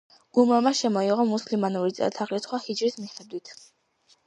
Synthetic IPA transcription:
ɡ̥umamaʃɛmɔiʁɔmuslimanuɾit̪sʼɛ̰t̪ʰaʁlisχwahid͡ʒɾismiχɛd̪wit̪ʰ

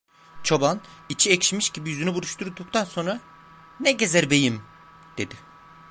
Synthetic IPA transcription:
t͡ʃʰoban | it͡ʃʰiɛcʃimiʃɟibijyzynybuɾˠuʃt̪ʰuɾd̪uk̚t̪ʰanso̞nɾa | nɛɟe̞zɛɾbe̞jim | d̪̥e̞d̪ɪ

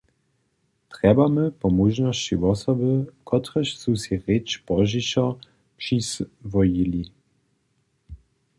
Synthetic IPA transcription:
t̪ʁɛbaməpɔmuʒnɔst͡ɕivɔsɔbəkʰɔt̪ʁəɕsusiʁet͡ʃbɔʒiɕɔ | pʂisvɔjili

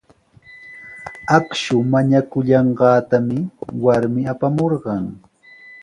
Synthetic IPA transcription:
akʃʊmaɲakʊʎɑɴɢɑːt̪amɪwaɾmɪapamoɾɢɑŋ

